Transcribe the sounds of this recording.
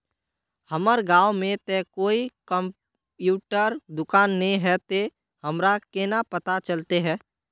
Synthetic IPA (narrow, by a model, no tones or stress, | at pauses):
həməɾɡaːwmẽt̪ɛkoːikə̃m | pjuːʈəɾd̪ʊkaːnːeɦɛt̪e | həmɾakenapət̪at͡ʃəlt̪eɦɛ̃ː